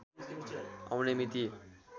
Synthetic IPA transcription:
a̰wnemit̪i

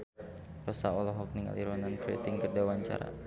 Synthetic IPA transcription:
rɔsaɔlɔɦɔk̚niŋa̰liɾwanankɾḛt̪ɪŋkərdawaɲt͡ʃa̰ɾa̰

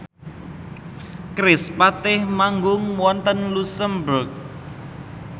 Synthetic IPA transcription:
kɾɪspat̪ɪhmaŋɡʊŋwɔnt̪ənlusəmbɾʊk̚

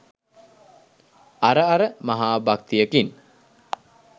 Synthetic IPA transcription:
aɾəaɾəmaɦaːbak̚t̪ijəkin

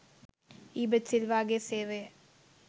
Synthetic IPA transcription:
iːbɐtsilʋaːɡeːseːʋeː

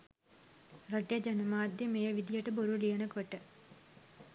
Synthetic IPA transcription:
rɐʈjɐd͡ʑɐnɐmaːd̪ʱjɐmeːjɐʋid̪ijɐʈːɨboɾulijɐnɐkeʈːɨ

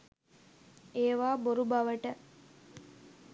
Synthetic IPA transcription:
eːʋaːboɾubɐʋəʈə

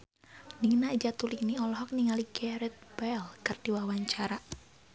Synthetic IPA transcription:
niŋnaid͡ʒat̪ulik̚niɔlɔɦɔk̚niŋaliɡɛɾɛt̪̚bɛlkɨrd̥iwawaɲt͡ʃaɾa

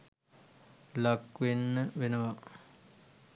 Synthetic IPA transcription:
lakːʋenːəʋenəʋa

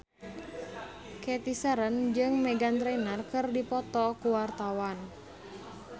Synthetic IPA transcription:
kɛt̪isəɾənd͡ʒɨŋmɛɡant̪ɾɛnərkɨrdipɔt̪ɔkuwart̪awan

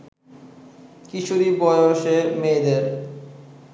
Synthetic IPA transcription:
kiʃʰuɾibɔjoʃemeːd̪eɾ

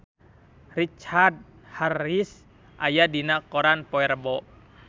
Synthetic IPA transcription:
rit͡ʃard̚ | haris | ʔajadinakɔɾanpɔɛrbɔʔ

